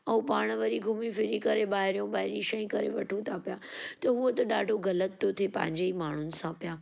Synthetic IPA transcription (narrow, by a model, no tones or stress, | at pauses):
ɐ̃ũpaːɽ̃ʋɐɾiɡʱʊmifɪɾikɐɾeɓaːɦɪɾijõbaːɦɪɾiʃɐĩkɐɾḛʋɐʈʰũt̪ʰaːpijaːt̪ɐɦuət̪ɐɗaːɖʱoɡɐlət̪ːot̪ʰepɐ̃ɦɪ̃ɲd͡ʑeimaːɳ̤ʊnɪ̆sãpijaː